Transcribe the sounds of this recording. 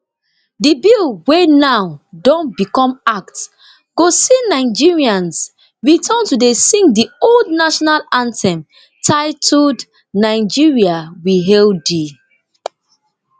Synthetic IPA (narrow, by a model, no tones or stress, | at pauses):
dibilwenawdɔ̃nbikɔ̃mak̚t | ɡ̥osinaɪd͡ʒiɹiãns | ɹitʰə̃ntudesĩŋdioldnaʃɔnalãntɛ̃m | tʰaɪtʰud | naɪd͡ʒiɹiawiɦɛldi